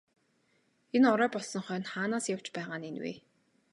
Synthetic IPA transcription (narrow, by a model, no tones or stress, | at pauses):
enɔɾœːpɔɮsɞ̆ŋχœːnχaːnaːsjaw̥t͡ɕpæːʁaːnenwḛː